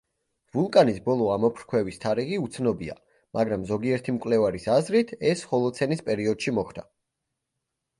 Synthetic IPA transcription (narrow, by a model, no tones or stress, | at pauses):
vulˠkʼanisbɔlˠɔamɔpʰɾkʰwɛvist̪ʰaɾiʁiut̪sʰnɔbia̰ | mʔaɡɾamzɔɡiɛɾt̪ʰimkʼwlɛvaɾisazɾit̪ʰɛsχɔlˠɔt̪sʰɛnispʼɛɾiɔd̪̥ʃimɔχʰd̪a